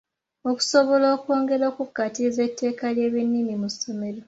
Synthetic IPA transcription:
o̞ku̥soβolo̞ːkwo̞ːŋɡe̞ɾoːkukːatize̞tːe̞ːkalje̞ːβinːinimusːo̞me̞ɾo̞

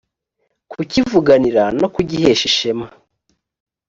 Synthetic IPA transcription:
kucivuɡaniɾano̞kuɟihe̞ːʃiʃe̞ma

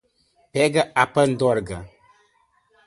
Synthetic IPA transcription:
pɛɡəʔapən̩d̪ɔɾɡə

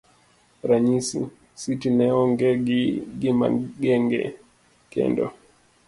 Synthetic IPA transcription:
ɾaɲisḭ | sitinɛɔŋɡɛɡiɡima̰ɡɛŋɡɛ̰ | kɛ̰ndɔ̰

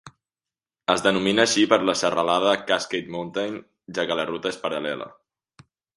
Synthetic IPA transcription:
əzðənuminəːʃipəɾləsərəlað̞əkasket̪munt̪ajn | ʒakələrut̪əespəɾəlɛlə̰

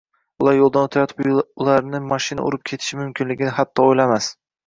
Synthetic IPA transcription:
ʊlˠaɾjolˠd̪anot̪ʰajɒt̪ʰɪ̥bʊlˠaɾnɪmaʃɪna̰ʊ̰ɾɪp̚kʲʰe̞t̪ʰɪ̥ʃɪmʊmkʲʰɪnlɪɡʲɪnɪɦat̪ʰːɒojlamas

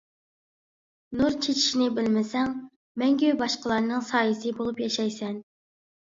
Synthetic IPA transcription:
nuɾt͡ʃʰet͡ʃʰi̥ʃnɪbɪlmɪsɛŋ | mɛŋɡʲybɑʃqəlˠɑɾnɨŋsɑːjisɪbolˠupjɑʃɑjsɛn

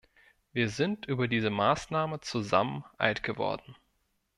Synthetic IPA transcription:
viːɐzɪntʔyːbɐdiːzəmaːsnaːmət͡suza̰mənʔa̰ɪtɡ̥əvɔ̰ɐdn̩

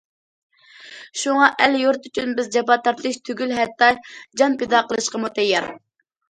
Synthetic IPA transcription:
ʃuŋɑʔɛljoɾt̪yt͡ʃʰynbɪzd͡ʒɑpɑt̪ːɑɾt̪ʰlˠɨʃt̪ʰyɡʲylɦɛt̪ːɑd͡ʒɑnped̪ɑqəlˠɨʃqɑmut̪ɛjːɛ̰ɾ

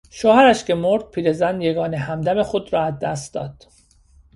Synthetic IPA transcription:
ʃoːhæɾæʃcʰe̞moɾd̪̥̚pʰiːɾezænjeɡɒːnehæmd̪æme̞xod̪ɾɒːæzd̪æst̪d̪ɒ̰ːd̪̥

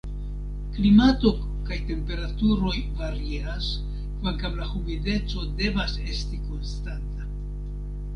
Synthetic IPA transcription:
klimato̞ | kajte̞mpe̞ɾatuɾo̞jvaɾias | kvaŋkamlahuvide̞t͡so̞de̞vase̞stiko̞nstanta

